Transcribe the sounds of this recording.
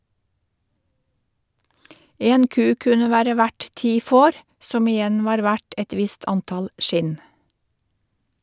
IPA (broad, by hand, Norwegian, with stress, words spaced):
ˈeːn ˈkʉː ˈkʉnə ˈʋæːɾə ˈʋæʈ ˈtiː ˈfoːɾ ˈsɔm ɪˈjɛn ˈʋɑːɾ ˈʋæʈ ˈɛt ˈʋɪst ˈɑntɑl ˈʃɪn